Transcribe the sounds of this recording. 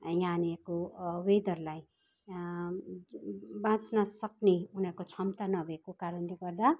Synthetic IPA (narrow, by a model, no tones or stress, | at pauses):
jãnekowed̪ʌɾlaj | bãt͡snʌsʌkneunʌkot͡sʰʌmt̪anʌbʱʌekokaɾʌnleɡʌrd̪a